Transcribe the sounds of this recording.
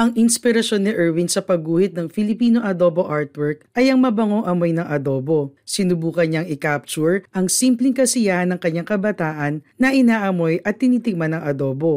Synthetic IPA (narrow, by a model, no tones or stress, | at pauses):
ʔɐŋʔɪnspɪɾɐʃo̞nːɪʔɛɹwinsɐpɐɡuːhɪt̪̚nɐŋfɪlɪpiːno̞ʔɐd̪o̞bo̞ʔaɹt̪wɛɹk̚ʔɐjɐŋmɐbɐŋo̞ŋʔɐmo̞jnɐŋʔɐd̪o̞ːbo̞sɪnʊbuːkɐnaŋɪkap̚t͡ʃuɹʔɐŋsimplɪŋkɐsɪjahɐnɐŋkɐɲːaŋkɐbɐt̪aːʔɐnːɐʔɪnaːʔɐmo̞jʔɐt̪ːɪniːt̪ɪɡ̚manɐŋʔɐd̪o̞ːbo̞